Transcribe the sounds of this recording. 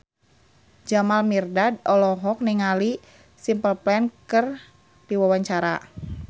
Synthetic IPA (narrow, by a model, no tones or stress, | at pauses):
d͡ʒamalmirdadɔlɔɦɔk̚niŋali | simpəlplɛnkɨr | diwawaɲt͡ʃaɾa̰